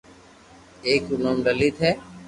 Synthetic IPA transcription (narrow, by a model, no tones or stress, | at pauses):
eːkunəmɖəliːt̪ʰɛː